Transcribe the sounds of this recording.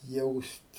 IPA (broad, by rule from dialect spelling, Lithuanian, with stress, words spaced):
ˈjɛʊsʲtʲ